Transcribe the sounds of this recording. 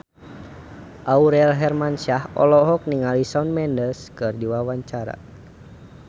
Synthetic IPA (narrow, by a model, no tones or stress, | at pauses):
ʔauɾɛlɦɛrmansahɔ̰lɔɦɔk̚niŋalisaunmɛndəskɨrdiwawaɲt͡ʃaɾa̰